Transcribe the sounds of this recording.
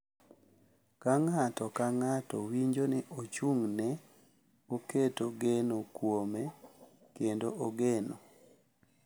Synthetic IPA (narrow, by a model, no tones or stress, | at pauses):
kaŋatɔkaŋatɔwiɲd͡ʒonɪʔot͡ʃuŋnɛ | oketoɡenokwome | kendoʔoɡeno